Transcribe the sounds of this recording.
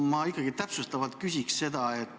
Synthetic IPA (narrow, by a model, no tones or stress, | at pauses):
mɑikːˑɑɡit̪æpsust̪ɑvɑlt̪̚kysʲiksse̞d̪ɑe̞t̪ː